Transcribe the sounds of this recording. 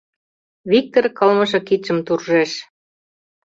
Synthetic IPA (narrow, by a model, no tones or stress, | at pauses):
βik̚t̪orkɤlmɤ̆ʃɤ̆kit͡ɕə̆mt̪urʒeʃ